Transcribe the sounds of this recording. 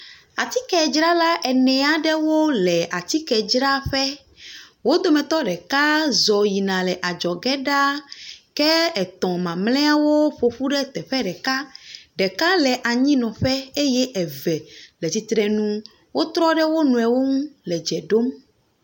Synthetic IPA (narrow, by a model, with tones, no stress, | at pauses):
a˨t̪i˦kɛ˨d͡ʒɾa˦la˦ʔɛ˨nɛ̃˨a˨ɖɛ˦wo˦lɛ˨ʔa˨t̪i˦kɛ˨d͡ʒɾa˦ɸɛ˦ | wo˦d̪o˦mɛ̃˨t̪ɔ˦ɖɛ˨ka˦zɔ˨ji˨nã˨lɛ˨ʔa˨d͡ʒɔ˨ɡɛ˦ɖa˦kɛ˦ɛ˨t̪ɔ̃˨mã˨mlɛ̃˦a˦wo˦ɸo˨ɸu˦ɖɛ˦t̪ɛ˨ɸɛ˦ɖɛ˨ka˦ɖɛ˨ka˦lɛ˨ʔa˨ɲĩ˦nɔ̃˨ɸɛ˦e˦jɛ˦ʔɛ˨vɛ˨lɛ˨t̪i˨t̪ɾɛ˨nũ˦ | wo˦t̪ɾɔ˦ɖɛ˦wo˦nũ˨ɛ˨wo˦ŋũ˦lɛ˨d͡ʒɛ˨ɖo˦m